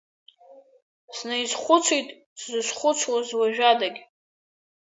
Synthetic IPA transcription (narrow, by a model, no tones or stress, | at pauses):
snajzχʷʊt͡sʰejtʼ | szɨsχʷʊt͡sʷʰwazwaʒᶣadaɡʲ